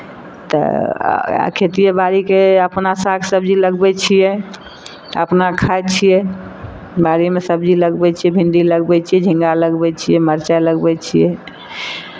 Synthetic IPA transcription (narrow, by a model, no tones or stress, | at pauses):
t̪ə̰ | a̰kʰet̪ijebaɾikeəpnasakʰsəbd͡ʒiləɡbɛt͡ʃʰijɛ | ə̰pnakʰat͡ʃʰijɛ | baɾimesəbd͡ʒiləɡbɛt͡ʃʰiɛbʱĩnɖiləɡbɛt͡ʃʰijɛd͡ʒʱĩŋɡaləɡbɛt͡ʃʰijɛməɾt͡ʃaləɡbɛt͡ʃʰijɛ